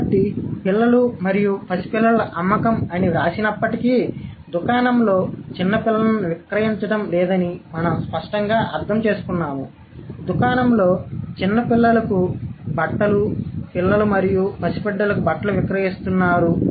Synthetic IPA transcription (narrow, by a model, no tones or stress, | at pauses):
ʈipilːɐlumɐɾijupʰɐsi̥pilːɐlɐʔɐmːɐkɐmɐniɾaːsinɐpːɐʈikid̪ukaːnɐmlo̞ːt͡ʃinːɐpilːɐɐɐnuʋikɾɐjiɲt͡ʃɐɽɐmlɛːd̪ɐnimɐnɐmspɐʂʈɐŋɡaːʔɐɾt̪ʰɐmt͡ʃe̞ːsu̥kunːaːmu | d̪ukaːnɐmlo̞ːt͡ʃinːɐpilːɐlɐkubɐʈːɐlupilːɐlumɐɾijupʰɐsi̥pɛɖːɐlɐkubɐʈːɐluʋikɾɐjist̪unːaːɾu